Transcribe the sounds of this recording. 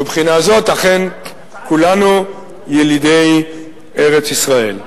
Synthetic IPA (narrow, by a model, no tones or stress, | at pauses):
ebχinazo̞t̪laχe̞n | kulanu | jelid̪ej | eʁet͡sisʁaḛl